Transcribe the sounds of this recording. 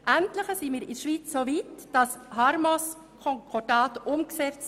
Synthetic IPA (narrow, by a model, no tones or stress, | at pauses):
ʔæntləχəsiːmiːɾɪʃʋiːt͡ssoːviːtd̥ɑshɑɾmos | kʰɔŋkʰɔdɑːtʔʊmksɛt͡st͡s